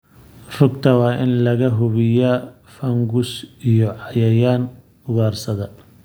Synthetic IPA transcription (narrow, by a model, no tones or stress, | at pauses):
r̥ʊɡ̚t̪ʰɐwɑːʔɪnlɐɣɐɦʊβɪja | fɐŋɡʊsijɔʕɑjɐjaːn | ʊɣaːrsɐðɐ